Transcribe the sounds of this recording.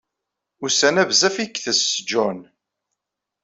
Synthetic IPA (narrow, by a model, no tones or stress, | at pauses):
ʊɾsænævzæfikθəsd͡ʒɔn